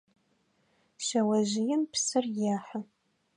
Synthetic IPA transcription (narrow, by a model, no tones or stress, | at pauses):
ʃɐwɐʑɪjɛmpʰsɨrjaːħɐ